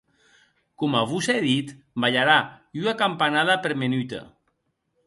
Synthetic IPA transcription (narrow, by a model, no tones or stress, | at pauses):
komaβuseðit̪ | baʎaɾaunakampanaðapeɾmenyt̪a̰